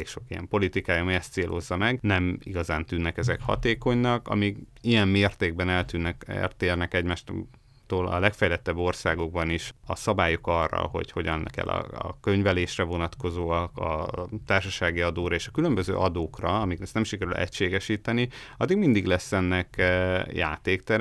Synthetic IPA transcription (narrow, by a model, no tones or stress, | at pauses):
eːkʃo̞kijɛ̰mpo̞lit̪ikaːjɒmiɛst̪seːlʔo̞̰zːɒmɛɡnɛmḭɡɒzaːnt̪yːnːɛkɛzɛkhɒ̰t̪eːko̞ɲnɒkɒ̰miɡijɛmmeːrt̪eːɡ̚bɛnɛlt̪yːnːɛkɛ̰rt̪eːrnɛkɛɟmaːʃt̪ | t̪oːlɒ̰lɛkfɛjlɛt̪ːɛbːo̞rsaːɡo̞ɡ̚bɒniʃɒ̰sɒbaːjokɒrːɒ̰o̞̰ɟho̞ɟɒnlɛkɛ̰lːɒ̰ɒ̰kø̞ɲvɛleːʃrɛvo̞nɒt̪ko̞zoːɒkɒ̰t̪aːrʃɒʃaːɡiɒd̪oːɾɒeːʃɒkylø̞mbøzø̰ːʔɒd̪oːkrɒɒmiklɛstnɛmʃikɛɾylʔɛ̰cʃeːɡɛʃiːt̪ɛni | ɒd̪ːiɡmind̪iɡlɛsːɛnːɛkja̰ːt̪eːkt̪ɛɾ